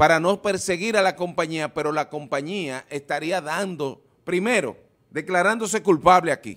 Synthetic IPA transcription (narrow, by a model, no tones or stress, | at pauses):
paɾano̞pe̞ɾse̞ɣiɾalako̞mpaɲiape̞ɾo̞lako̞mpaɲiaʔe̞st̪aɾiaðand̪o̞ | pɾime̞ɾo̰ | d̪e̞klaɾand̪o̞s̬e̞kulpaβleakḭ